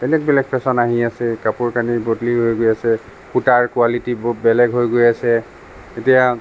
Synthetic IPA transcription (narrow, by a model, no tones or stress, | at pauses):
bɛlɛɡ̚bɛlɛɡ̚pʰɛsɔnaɦiasɛkapuɹkanibotliɦojɡojasɛ | putaɹkualitibbɛlɛɡɦojɡojasɛ | etija